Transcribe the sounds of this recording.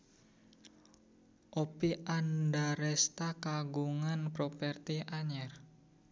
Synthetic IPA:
ʔopiʔandaɾɛst̪akaɡuŋanpɾopɛrt̪iʔaɲɛr

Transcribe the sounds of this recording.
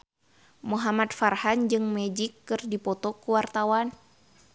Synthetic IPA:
muɦamat̪̚farhand͡ʒɨŋmɛd͡ʒikːɨrdipɔt̪ɔkuwart̪awan

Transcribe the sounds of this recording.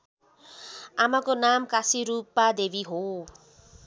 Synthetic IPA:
amakonamkasiɾupːad̪ebiɦo

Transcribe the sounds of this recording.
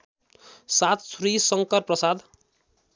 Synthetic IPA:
sat̪srisʌŋkʌrprʌsad̪

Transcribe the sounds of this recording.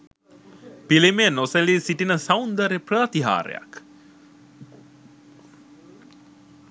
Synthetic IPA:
pilimenoselisiʈinəsawnd̪əɾeprət̪iɦa̰ːɾḛja̰k

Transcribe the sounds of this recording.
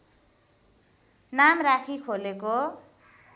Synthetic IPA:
namrakʰikʰoleko

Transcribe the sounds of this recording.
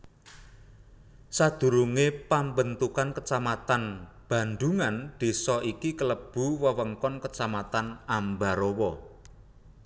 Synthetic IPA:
sad̪̥ṳɾuŋepambənt̪ukankət͡ʃamat̪an | b̥ä̤nd̪uŋand̪̥e̤sɔʔikikələb̥ṳwəwəŋkɔnkət͡ʃamat̪anambaɾowɔ

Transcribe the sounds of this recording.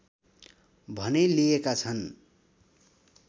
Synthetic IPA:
bʱʌnelijekat͡sʰʌn

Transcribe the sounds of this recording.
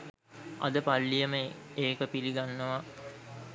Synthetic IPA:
ɐ̰d̪əpalːijəməeːkəpiliɡanːəʋa

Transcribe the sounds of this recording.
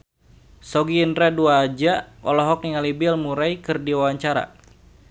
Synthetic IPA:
sɔɡiːndɾɛduaːd͡ʒaɔ̰lɔɦɔk̚iŋalibɪlmuɾajkɨrdiwawaɲt͡ʃaɾa̰

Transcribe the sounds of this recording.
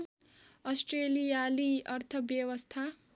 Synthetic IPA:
ʌsʈrelijaliʌrt̪ʰʌbjʌwʌst̪ʰa

